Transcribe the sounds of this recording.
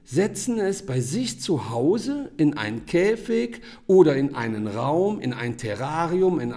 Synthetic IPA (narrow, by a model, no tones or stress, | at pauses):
zɛt͡sn̩ɛsb̥aɪzɪçt͡suhaʊzəʔɪnʔa̰ɪnnkʰɛːfɪk | ʔoːɾɐɪnʔa̰ɪnənʁaʊmɪ̰na̰ɪntʰɛʁaːʁiʊmɪn